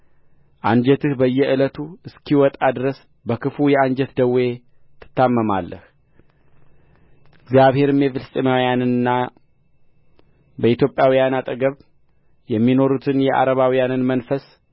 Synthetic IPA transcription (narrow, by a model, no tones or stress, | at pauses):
ʔaɲd͡ʒɛt̪ʰɨhbəjːɛʔɨlət̪ʰuɨskʰiwɔt̪ʼad̪ɨɾəs | bəkʰɨfujɛand͡ʒɛt̪d̪əwe̞ | t̪ʰɨ̥t̪ːamːəma̰lːə̰h | ɪɡzijaβhe̞ɾɨmjɛfɨlsʼəmawijanɨnɨnːa | bəit̪jo̞pʼjawijanat̪ʼəɡəβ | jɛmːino̞ɾut̪ʰɨnjɛʔa̰ɾəβawijanɨnmənfəs